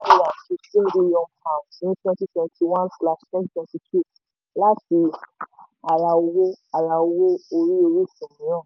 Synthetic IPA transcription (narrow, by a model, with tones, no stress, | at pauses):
i˦˨ja˨ti˧˦sĩ˦di˦jɔ̃˧mpã˨ĩ˦twɛ̃˧ti˦twɛ̃˧ntʰi˧w̃ã˦nfla˧stɛ̃˦ttwɛ̃˧ti˧tʰu˦˨ | la˦fi˧ | a˨ɾa˧o˧wo˦a˨ɾa˧o˧wo˦o˧ɾi˦o˧ɾe˦˨sũ˨mĩ˨˦jã˦˨